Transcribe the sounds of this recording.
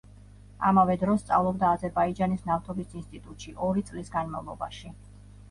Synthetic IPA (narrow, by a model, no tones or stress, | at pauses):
a̰mavɛd̪ɾɔst̪sʼa̰vlˠɔbd̪aːzɛɾbaid͡ʒanisnaft̪ʰɔbisinst̪ʼit̪ʼut̪ʼʃiʔɔɾit̪sʼlisɡanma̰vlˠɔba̰ʃi